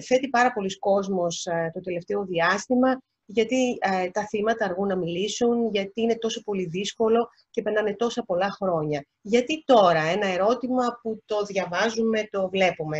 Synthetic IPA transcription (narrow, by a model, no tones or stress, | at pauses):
θe̞t̪ipɐɾɐpo̞lisko̞zmo̞st̪ot̪e̞le̞ft̪e̞o̞ðiɐst̪imɐ | ʝɐt̪it̪ɐθimɐt̪ɐːɾɣunːɐmilisunʝɐt̪iine̞t̪o̞so̞po̞liðisko̞lo̞ | cepeɾnɐne̞t̪o̞sɐpo̞lɐxɾo̞ɲɐ | ʝɐt̪it̪o̞ɾɐe̞nɐe̞ɾo̞t̪imɐput̪o̞ðʝɐvɐzume̞t̪o̞vle̞pume̞